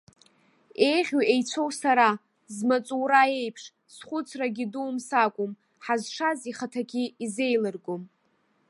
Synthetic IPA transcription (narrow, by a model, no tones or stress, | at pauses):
e̞jʁʲoejt͡sʷʰo̞wsaɾa | zmat͡sʼuwɾae̞jpʰʂ | sχʷʊt͡sʰraɡʲiduːmsakʷʼʊm | ħazʂaziχatʰaɡʲiize̞jlɨrɡʷʊm